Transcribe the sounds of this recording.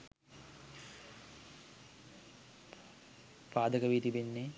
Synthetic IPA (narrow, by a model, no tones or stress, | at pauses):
paːd̪əkəʋiːt̪ibenːe